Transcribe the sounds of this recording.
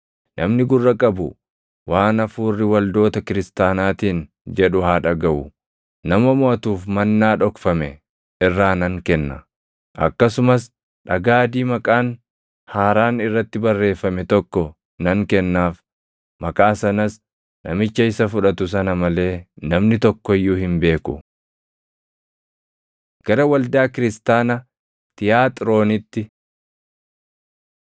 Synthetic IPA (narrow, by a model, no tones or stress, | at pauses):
nʔɐmnɪɡʊrːɐkʼɐbʊ | waːnɐfuːrːɪwɐld̪o̞ːt̪ɐkɪɾɪst̪aːnaːt̪iːn | d͡ʒɛᶑʊhaːᶑɐɡɐʔʊ | nɐmɐmʊɐt̪uːfmɐnːaːᶑɔkfɐmɛ | ɪrːaːnɐŋkɛnːɐ̰ | ʔɐ̰kːɐsʊmɐs | ᶑɐɡaːd̪iːmɐkʼaːn | haːɾaːnɪrːɐt̪ːɪbɐrːe̞ːfːɐmɛt̪ɔkːɔ | nɐŋkɛnːaːf | mɐkʼaːsɐnɐs | nɐmɪt͡ʃːɐɪsɐfʊᶑɐt̪ʊs̬ɐnɐmɐle̞ːnɐmnɪt̪ɔkːɔɪjːuːhɪmbe̞ːkʊ̰ | ɡ̥ɐɾɐwɐld̪aːkɪɾɪst̪aːnɐ | t̪ɪjaːt̪ʼɾo̞ːnɪt̪ːɪ